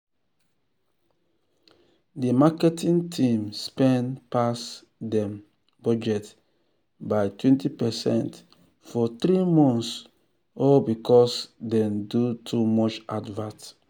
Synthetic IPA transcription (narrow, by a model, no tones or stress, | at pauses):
dimakɛtĩŋtʰĩmspɛ̃npas | dɛ̃m | bɔd͡ʒɛt | bajtwɛ̃ntipɛsɛ̰̃nt | fɔt̪ɾimɔ̃ns | ɔbikɔsdɛ̃ndutʰumɔt͡ʃadvãs